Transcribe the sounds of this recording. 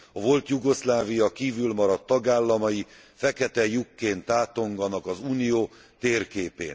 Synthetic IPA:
ɒvo̞lt̪juɡo̞slaːvijɒkiːvylmɒɾɒt̪ːɒɡaːlːɒmɒji | fɛkɛt̪ɛjukːeːnt̪aːt̪o̞ŋɡɒnɒkɒzuːnijoː | t̪eːrkeːpḛːn

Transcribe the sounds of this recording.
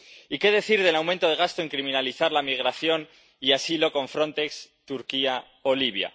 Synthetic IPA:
ike̞ðe̞θiɾðe̞lawmẽnt̪o̞ð̞e̞ɣ̞ast̪oe̞ŋkɾimĩnaliθaɾlamiɣ̞ɾaθjon | iasilo̞ko̞ɱfɾo̞nt̪e̞ks | t̪uɾkia | oliβ̞ja̰

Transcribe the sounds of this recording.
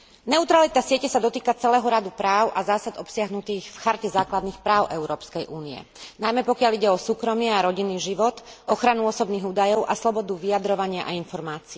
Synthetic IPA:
nɛut̪ɾalit̪asɪɛcɛsad̪ɔt̪iːkat͡sɛlɛːɦɔɾad̪upɾaːʊʔazaːsad̪ɔpsɪaɦnut̪iːɣfxaɾcɛzaːklad̪niːxpɾaːʊʔɛʊɾɔːpskɛjʔuːniɛ̰ | najmɛpɔkɪaliɟɛɔsuːkɾɔmɪɛaɾɔɟinːiːʒiʋɔt̪ʔɔxɾanuɔsɔbniːɣuːd̪ajɔʊʔa̰slɔbɔd̪uʋijad̪ɾɔʋaɲɪaʔainfɔɾmaːt͡si

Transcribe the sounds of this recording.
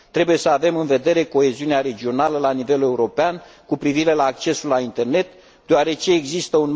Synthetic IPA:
t̪ɾe̞buje̞səave̞mɨnve̞d̪e̞ɾe̞ko̞e̞ziuneaɾe̞d͡ʒio̞naləlanive̞le̞uɾo̞peankupɾiviɾe̞laːk̚t͡ʃe̞sulːaint̪e̞rne̞t̪ | d̪eoaɾe̞t͡ʃe̞ːɡzist̪əun

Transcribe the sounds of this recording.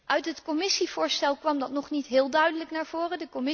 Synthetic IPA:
ʔœɥtɦətkɔmɪsiv̥ʊːɹstɛlˠkʋɑmdɑtnɔχnitɦɪːlˠdœɥdələknaːɹv̥oːrədəkɔmɪ

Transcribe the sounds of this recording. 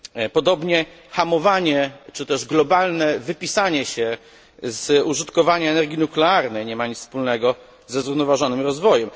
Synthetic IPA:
pɔd̪ɔbɲɛ | xamɔvaɲɛt͡ʂɘt̪ɛʐɡlɔbalnɛvɘpʲisaɲɛɕɛ | zuʐɨt̪kɔvaɲaɛnɛɾɡʲinuklɛaɾnɛjɲɛmaɲit͡s̪spulnɛɡɔ | zɛzɾuvnɔvaʐɔnɘmɾɔzvɔjɛm

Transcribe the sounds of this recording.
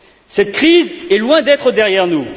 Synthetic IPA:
sɛt̪̚kχizɛlwɛ̃d̪ɛt̪χəd̪ɛʁjɛʁnu

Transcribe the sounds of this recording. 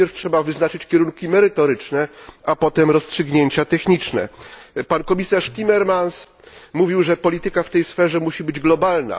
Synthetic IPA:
ɛɾftʂɛbavɘznat͡ʂɘt͡ɕkʲɛɾuŋkʲimɛɾɘt̪ɔɾɘt͡ʂnɛapɔt̪ɛmɾɔstʂɘɡɲeɲt͡ɕat̪ɛxɲit͡ʂnɛ̰pankɔmʲisaʂt̪ʲimɛɾmans | muvʲiwʐɛpɔlʲit̪ɘkaft̪ɛjsfɛʐɛmuɕibɘd͡ʑɡlɔbalna̰

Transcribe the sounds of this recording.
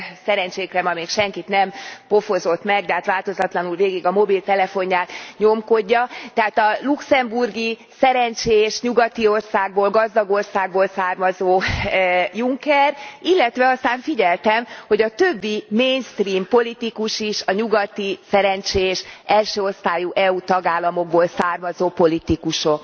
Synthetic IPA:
sɛɾɛɲt͡ʃeːkrɛmɒmeːkʃɛŋkit̪nɛmpo̞fo̞zo̞t̪mɛɡ̚d̪ɛɦat̪ʋaːlt̪o̞zɒt̪lɒnulveːɡiɡɒmo̞bilt̪ɛlɛfo̞ɲjaːt̪ɲo̞mko̞ɟːɒt̪ɛɦaːt̪ɒluksɛmburɡi | sɛɾɛnt͡ʃeːʃɲuɡɒt̪io̞rsaːɡ̚boːlɡɒzd̪ɒɡo̞rsaːɡ̚boːlsaːrmɒzoː | juŋkɛrilːɛt̪ʋɛɒst̪aːɱfiɟɛlt̪ɛmho̞ɟɒt̪ø̞bːimeːnst̪riːmpo̞lit̪ikuʃiʃɒɲuɡɒt̪isɛɾɛnt͡ʃeːʃɛlʃøːo̞rst̪aːjuʔɛut̪ɒɡaːlːɒmo̞ɡ̚boːlsaːrmɒzoːpo̞lit̪ikuʃok

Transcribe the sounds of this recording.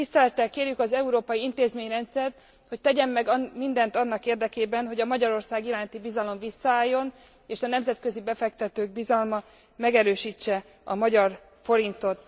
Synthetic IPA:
t̪ist̪ɛlɛt̪ːɛlkeːrjykɒzɛuɾoːpɒjiint̪eːzmeːɲrɛnt̪sɛrt̪ | ho̞c̚t̪ɛɟɛmːɛɡmind̪ɛnt̪ɒnːɒkeːrd̪ɛkeːbɛnɦo̞ɟɒmɒɟɒɾo̞rsaːɡiɾaːnt̪ibizɒlo̞ɱvisːɒaːjːo̞n | eːʃɒnɛmzɛt̪kø̞zibɛfɛkt̪ɛt̪øːɡ̚bizɒlmɒ | mɛɡɛɾøːʃiːt͡ʃːɛ | ɒ̰mɒɟɒr | fo̞ɾint̪o̞t̪

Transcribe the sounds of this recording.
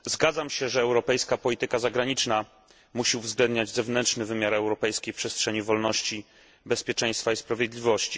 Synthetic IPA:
zɡad̪zamɕɛʐɛːwɾɔpɛjskapɔlʲit̪ɘkazaɡɾaɲit͡ʂna | muɕiuvzɡlɛnd̪ɲad͡ʑzɛvnɛnt͡ʂnɘvɘmʲjaɾɛwɾɔpɛjskʲejpʂɛstʂɛɲivɔlnɔɕt͡ɕi | bɛspʲjɛt͡ʂɛ̃j̃st̪faispɾavʲjeɛd̪lʲivɔɕt͡ɕi

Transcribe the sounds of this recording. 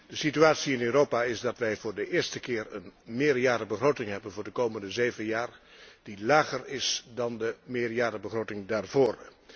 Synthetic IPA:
d̥əsityaːtsiɪnøːɾowpaːɪsdɑtʋɛjvʊːɹdəʔɪːɹstəkɪːrənmɪːɹjaːɾəbəχrotɪŋɦɛbənvʊːɹdəkowməndəzejvənjaːrd̥ilaːχərɪsdɑndəmɪːɹjaːɾəbəχrowtɪŋdaːɹvʊːr

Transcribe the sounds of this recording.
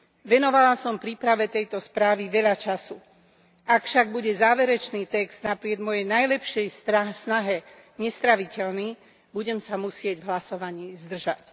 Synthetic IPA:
ʋɛnɔʋalasɔmpɾiːpɾaʋɛt̪ɛjt̪ɔspɾaːʋiʋɛʎat͡ʃasu | ʔakfʃaɡ̚buɟɛzaːʋɛɾɛt͡ʃniːt̪ɛkz̥d̪napɾɪɛd̪mɔjɛjnajlɛpʃɪɛjsnaɦɛ | ɲɛst̪ɾaʋicɛlniː | buɟɛmsamusɪɛɟvɦlasɔʋaɲiːzd̪r̩ʒac

